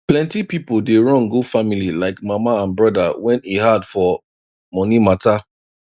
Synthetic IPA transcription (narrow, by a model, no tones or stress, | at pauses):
plɛ̃ntipipodeɹɔ̃nɡofamililaɪkmamaãnbɹɔdawɛ̃nehadfɔ | mɔnimata